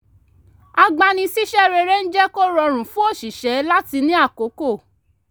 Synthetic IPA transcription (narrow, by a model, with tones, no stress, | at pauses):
a˧ɡ͡ba˧nĩ˧si˦ʃɛ˦˨ɾɛ˧ɾɛ˦n̩˦d͡ʒɛ˦ko˦ɾɔ˧ɾ̃ũ˨fũ˦o˦˨ʃi˨ʃɛ˨˦la˦ti˧nĩ˦a˦˨ko˨˦ko˦˨